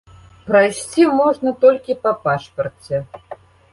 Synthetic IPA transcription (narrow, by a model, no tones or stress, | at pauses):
pɾajsʲt͡sʲimɔʐnɐt̪ɔlʲkʲipɐpaʂpɐrt͡sʲɛ